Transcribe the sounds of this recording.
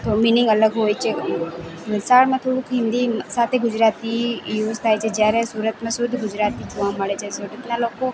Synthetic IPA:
t̪omiːnɪ̃ŋɡɐləɡɦoːjt͡ʃe | ʋɪlsaːɽmẽt̪ʰoːɽukɦɪmd̪isaːt̪ʰeɡʊd͡ʒɾaːt̪ijoːst̪ʰaːet͡ʃed͡ʒaːɾɛsuːɾət̪mẽsʊd̪ʱɡʊd͡ʒɾaːt̪it͡ʃʰuãmɐɽet͡ʃɛsʊd̪ɪt̪naloːko

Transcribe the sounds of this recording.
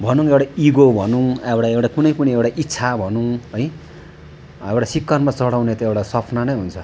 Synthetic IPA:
bʱʌnũŋewɽaiɡobʱʌnũewʈaewʈakunʌjpʌniewɽaʔitːsʰabʱʌnũʌj | ewʈasikːʌnmat͡sʌɽawnet̪ʌewɽasʌpʰnanʌjɦunt͡sʰʌ

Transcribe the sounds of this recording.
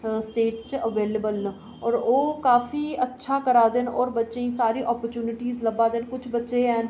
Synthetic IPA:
sʈeːʈt͡ʃəʋeːləbəlnə | ɔːɾoːkaːfiːətːʃʰaːkəɾaːd̪enɔːɾbətːʃeĩːsaːɾiːʔɔːpəɾt͡ʃuːnɪʈiːzləbaːd̪enkʊt͡ʃʰbətːʃeːɛːn

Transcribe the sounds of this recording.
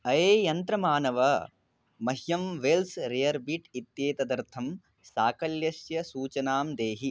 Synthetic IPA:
ɐeːjɐnt̪ɾɐmaːnɐʋɐ | mɐɦjɐmʋeːlsɾejɐɾbiʈit̪jeːt̪ɐd̪ɐɾt̪ʰɐm | saːkɐljɐsjɐsuːt͡ʃɐnaːmd̪eːɦi

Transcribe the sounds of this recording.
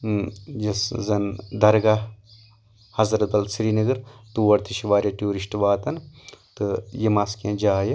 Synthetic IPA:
d͡ʒɐszɐnd̪ɐɾɡa | hɐzɾɐt̪̚bɐlsɾiːnɐɡɐɾt̪uʋɐɾt̪iʃiʋaːɾjɐʈjuːɾiʃʈʋaːt̪ɐnt̪ɨjemaːskẽːd͡ʒaːjɐ

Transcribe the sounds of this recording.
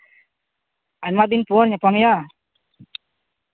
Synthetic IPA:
anmad̪inpuɔɾɲapamja

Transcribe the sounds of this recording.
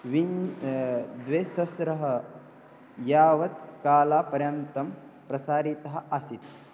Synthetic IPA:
ʋi | d̪ʋeːsɐsɾɐɦɐ | jaːʋɐt̪̚kaːlaːpɐɾjɐnt̪ɐmpɾɐsaːɾit̪ɐɦɐ̆ʔɐsit̪

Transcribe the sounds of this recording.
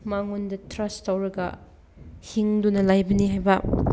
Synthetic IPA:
maŋundɐtɾɐstawɾɐɡɐ̰ | hiŋdunɐlajbɐniɦajbɐ

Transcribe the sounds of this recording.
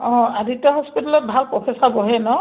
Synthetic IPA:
ɔ̃aditaɦɔspitalɔt̚bʱalpɹɔpʰɛsabɔɦɛnɔ

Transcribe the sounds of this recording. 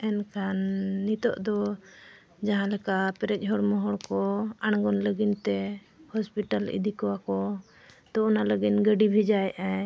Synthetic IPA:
ɛnkʰanːit̪ɔ̰ʔd̪ɔ | d͡ʒaɦãlɛkapɛɾɛc̚ˀɦɔɽmɔɦɔɽkɔaɽ̃ɡɔnləɡint̪ɛ | hɔspiʈalḭd̪ikɔwakɔ | t̪ɔɔnaləɡinɡəɖibʱɛd͡ʒajʔa

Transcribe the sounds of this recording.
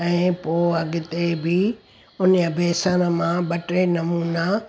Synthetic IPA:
ɛ̃ːpoːɐɡɪt̪ebɪ | ʊnəɐbʱeːsənə̆mãɓɐʈɾenɐmuːna

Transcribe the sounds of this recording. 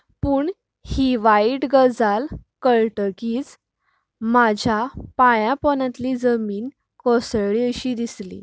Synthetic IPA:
puːɳ | hiʋaiʈɡəd͡zalkəɭʈəkiːt͡s | mad͡ʑʱjapajãpɔnãt̪lid͡zəmiːn | kɔsəɭiəɕiːd̪islḭ

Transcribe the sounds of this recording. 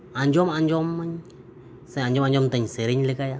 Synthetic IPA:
aɲd͡ʒomaɲd͡ʒomːaɲ | seaɲd͡ʒomaɲd͡ʒmt̪aɲseɾeɲlikaja

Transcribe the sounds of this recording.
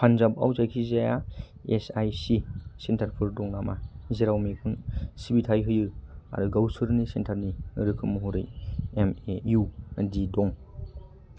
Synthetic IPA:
pʰanzaba̰wzajkʰizaja | esajsisentʰaɾpʰɯɾdɔŋnamazeɾawmikʰunsibitʰajɦɯjɯa̰ɾɯɡawsɯɾnisentʰaɾniɾɯkʰɯmuɦuɾɯ̰jemeudidɔŋ

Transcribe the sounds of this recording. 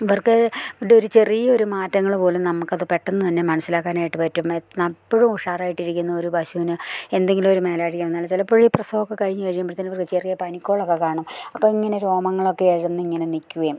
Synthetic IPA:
iʋɐrkɨɖeo̞ɾut͡ɕe̞rijɐo̞ɾumaːtːɐŋːɐɭpo̞ːlunɐmukːɐðɨpe̞ʈːenːɨt̪ɐnːe̞mɐnɐsilaːkːaːnaːjiʈːɨpɐtːumnɐpːoɻumuʂaːraːjiʈːiɾikʲːunːɐo̞ɾubɐɕuːnɨe̞nd̪e̞ŋɡilumo̞ɾume̞ːlaːɻikːɐmnːaːlt͡ɕilɐpːoɻiprɐsɐʋokːekɐɻiɲːɨkɐɻikːambɐt̪inːʋɐrkɨt͡ɕe̞rijɐpɐnikʲːo̞ːɭokːekaːɳɐmɐpːoːiŋːɐne̞ɾo̞ːmɐŋːɐɭo̞kːeeɻunːɨiŋːɐne̞nikʲːuɣe

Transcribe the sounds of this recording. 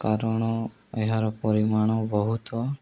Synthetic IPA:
kaɾɔɽ̃ɔ | eɦaɾɔpɔɾimaɽ̃ɔbɔɦut̪ɔ

